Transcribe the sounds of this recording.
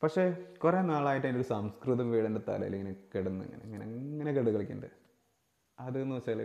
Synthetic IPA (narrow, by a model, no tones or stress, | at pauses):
pɐkʂe̞kure̞ːnaːɭaːjiʈːendoɾusɐmskrɨðɐmʋiːɽɐndet̪ɐ̰lɐ̰ɐ̰lːeŋːinekeɽunːɐḛŋːɐ̰neɐŋːɐneɐŋːɐnekeɽukɐɭikʲːṵɳɖɐ | ɐðenːuʋɐt͡ɕːaɐl̰